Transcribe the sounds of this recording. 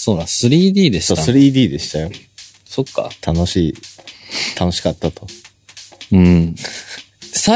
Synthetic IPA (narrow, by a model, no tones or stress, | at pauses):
so̞ːnãsɨɾʲiːd̪ʲiːd̪eɕi̥soːsɨɾʲiːd̪ʲiːd̪e̞ɕi̥t̪ajo̞ | sokːa̰t̪ʰano̞ɕiː | t̪ʰanoɕi̥kat̪ːat̪o̞ | ɯ̟̃ɴɴ | sa